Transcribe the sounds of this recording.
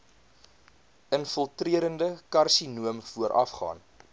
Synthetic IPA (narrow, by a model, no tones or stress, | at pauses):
ənfəlˠtriəɾəndəkɐrsinuəmfuəɾʔɐ̰fχɑ̰ːn